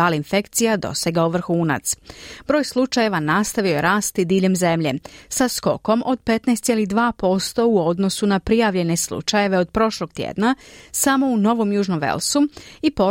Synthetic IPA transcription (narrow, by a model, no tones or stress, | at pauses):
aːlˠinfe̞kt̪sijad̪o̞̰seɡauʋr̩xuːna̰t̪sb̥ɾo̞ːjslˠut͡ʃaje̞ʋanast̪aʋioje̞ɾaːst̪id̪iːʎe̞mze̞mʎe̞sasko̞̰ko̞mʔo̞d̪̚pe̞t̪nɛst̪jelid̪ʋaːpo̞st̪o̞uo̞d̪no̞sunapɾijaʋʎe̞ne̞slˠṵt͡ʃaje̞ʋe̞o̞d̪̚pɾo̞ʃlˠo̞ɡ̥̚t̪jḛːd̪nasamo̞uno̞ʋo̞mjuːʒnomʋḛlˠsuipo̞